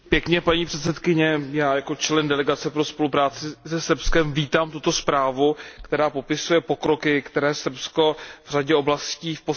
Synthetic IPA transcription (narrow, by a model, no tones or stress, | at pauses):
pjɛkɲɛpaɲiːpr̥ɛt̪sɛt̪kɪɲɛjaːjako̞t͡ʃlɛndɛlɛɡat͡sɛpɾo̞spo̞lupɾaːt͡sɪsɛsr̩pskɛmviːt̪aːmt̪ut̪o̞spɾaːvukt̪ɛɾaːpo̞pɪsujɛpo̞kɾo̞kɪkt̪ɛɾɛːsr̩psko̞vr̝aɟɛo̞blasciːfpo